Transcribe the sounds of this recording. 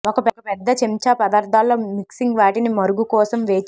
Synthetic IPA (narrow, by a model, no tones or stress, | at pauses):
ɔkɐpɛkɐpɛd̪ːɐt͡ʃemt͡ʃaːpɐd̪aːɾd̪ʱaːlːoːmiksiŋɡʋaːʈinimɐɾuɡukɔːsɐmʋeːt͡ʃ